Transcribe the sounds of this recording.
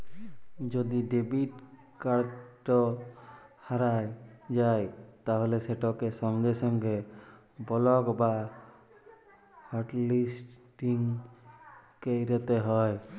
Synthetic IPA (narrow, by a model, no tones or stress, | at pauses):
d͡ʒɔd̪iɖebiʈ | kaɾʈɔ | haɾajd͡ʒajt̪aɦɔlɛsɛʈɔkɛsɔŋɡɛsɔŋɡɛ | bɔlɔkba | hɔɾʈlisʈʈiŋ | keɾɛt̪ɛɦɔj